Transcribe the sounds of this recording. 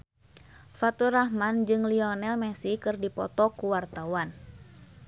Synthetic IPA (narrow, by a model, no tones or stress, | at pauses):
fat̪uɾahmand͡ʒɨŋliɔnɛlmɛsikɨrdipɔt̪ɔkuwart̪awan